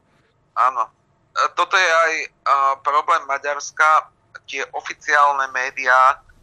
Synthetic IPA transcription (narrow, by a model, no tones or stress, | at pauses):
ʔaːnɔ | t̪ɔt̪ɔjɛajpɾɔblɛːmːaɟaɾska | c̪ɪɛʔɔfit͡sɪaːlnɛmɛːd̪iaː